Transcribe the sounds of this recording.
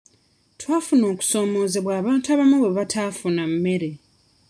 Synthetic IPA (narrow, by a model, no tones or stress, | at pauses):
twaːfuno̞ːku̥so̞ːmo̞ːze̞βwaːβaːntuaːβamuβe̞βatʰaːfunamːe̞ɾe̞